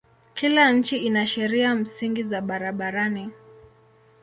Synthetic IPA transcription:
kʰilaɲ̩t͡ʃiinaʃɛɾiam̩siŋɡizaɓaɾaɓaɾani

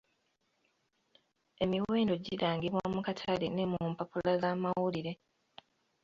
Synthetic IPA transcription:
e̞miwe̞ːndo̞ɟiɾaːŋɡiβwamukatʰalene̞muːmpapulazaːmawuliɾe̞

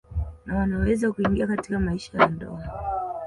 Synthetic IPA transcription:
nawanawɛzakuiŋɡiakatikamaiʃajandɔ̰a

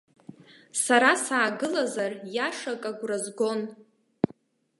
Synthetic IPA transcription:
saɾasaːɡɨlazarjaʂakʼaɡʷrazɡo̞n

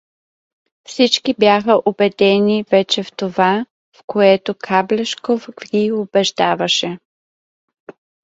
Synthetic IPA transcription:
fsit͡ʃkibjaxəʔobɛd̪ɛnivɛt͡ʃɛft̪ova | fkoɛt̪okʰablɛʃkofɡɡʲiobɛʒd̪avɐʃɛ

